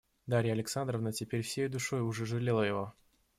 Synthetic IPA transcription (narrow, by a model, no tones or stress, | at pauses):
d̪aɾʲɪjəɐlʲɪksand̪ɾəvnətʲɪpʲeɾʲfsʲejʊd̪ʊʂo̞jʊʐɛʐɨlʲelˠəjɪvo̞